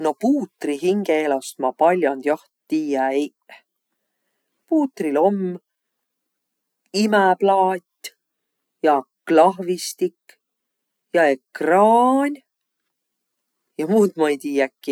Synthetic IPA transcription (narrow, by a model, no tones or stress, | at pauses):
no̞puːt̪ːˑriɦiŋɡ̥eelɑst̪mɑpɑlʲjɑnd̪̥jɑh | t̪iːjæej | puːt̪ːˑrilo̞mː | imeplɑːt̪ʲː | jɑ | klɑɦvist̪ikː | jɑe̞krɑːnʲ | jɑmuːd̪mɑejt̪iːjækːi